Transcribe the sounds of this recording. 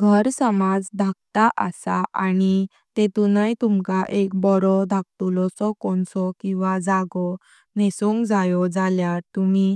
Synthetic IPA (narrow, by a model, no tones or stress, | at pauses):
ɡʱəɾsəmad͡zd̪ʱak̚t̪aʔəsaʔani | t̪et̪unajt̪umkaʔekbɔɾɔd̪ʱak̚t̪ulɔsɔkɔɳsɔkĩw̃ʋad͡zaɡɔ | nesuŋkd͡zajɔd͡zaljaɾt̪umi